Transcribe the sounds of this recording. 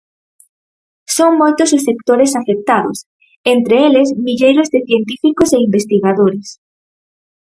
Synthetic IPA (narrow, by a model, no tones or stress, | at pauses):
soŋmojt̪ʊsʊsːekt̪oɾesafek̚t̪aðʊ̰s | ent̪ɾeelezmiʎejɾozðɪθjent̪ifikʊseimbest̪iɣaðoɾɪs